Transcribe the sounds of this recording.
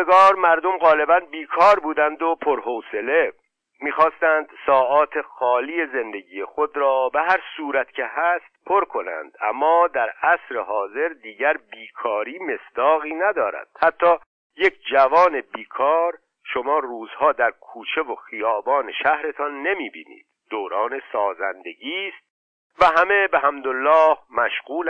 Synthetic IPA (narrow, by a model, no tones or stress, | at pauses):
eɡɒːɾmæɾd̪o̞mɣɒːle̞bænbiːkʰɒːɾbuːd̪ænd̪opʰoɾɦoːse̞le̞ | miːxɒːst̪ænd̪sɒːʔɒːt̪ʰe̞xɒːliːje̞ze̞nd̪e̞ɟiːjexo̞d̪ɾɒːbeɦæɾsuːɾæt̪cʰe̞hæːst̪̚pʰo̞ɾkʰo̞næ̰nd̪æ̰mːɒːd̪æɾæsɾe̞ɦɒːze̞ɾd̪iːɟæɾbiːkʰɒːɾiːme̞sd̪̥ɒːɣiːnæd̪ɒːɾæ̰d̪̥hæt̪ʰːɒː | je̞cʰd͡ʒævɒːne̞biːkʰɒːɾ | ʃo̞mɒːruːzhɒːd̪æɾkʰuːt͡ʃʰe̞voxijɒːbɒːneʃæhɾe̞t̪ʰɒnːe̞miːbḭːnḭːd̪̥̚d̪oːɾɒːne̞sɒːzænd̪e̞ɡiːst̪̚ | væɦæme̞beɦæmd̪olːɒːhmæʃɣuːl